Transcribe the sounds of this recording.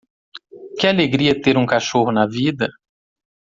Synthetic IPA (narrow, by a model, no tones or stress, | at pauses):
kɪaleɡɾiɐt̪eɾũkaʃoɦʊnɐvid̪ɐ